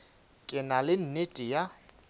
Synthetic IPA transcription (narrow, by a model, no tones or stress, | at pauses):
kʼɪnalɪn̩netʼija